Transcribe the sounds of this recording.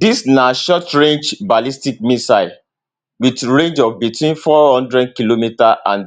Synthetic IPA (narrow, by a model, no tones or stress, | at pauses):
disnaʃɔtɹẽnd͡ʒbalistik̚misaɪ | witɹẽnd͡ʒɔvbitʰwĩnfɔhɔ̃ndɹɛd̚kilomitaʔãnd